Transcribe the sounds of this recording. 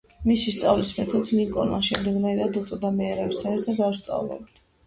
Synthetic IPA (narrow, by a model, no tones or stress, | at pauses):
misist̪sʼavlismɛt̪ʰɔd̪snikʼɔla̰ʃɛmd̪ɛɡnaiɾad̪ut̪sʼɔd̪amɛːɾɛst̪ʰanɛɾt̪ʰad̪aɾst̪sʼa̰vlɔ̰b̪̚d̪